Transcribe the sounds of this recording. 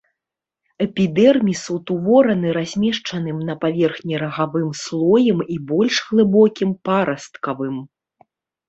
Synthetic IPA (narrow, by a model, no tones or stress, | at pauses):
ɛpʲid̪ɛrmʲisut̪uvɔɾɐnɨɾazʲmʲɛʂt͡ʂɐnɨmnɐpavʲɛrxnʲiɾɐɣavɨmslˠɔjɛmibɔlʲʂɣlˠɨbɔkʲimpaɾɐst̪kɐvɨm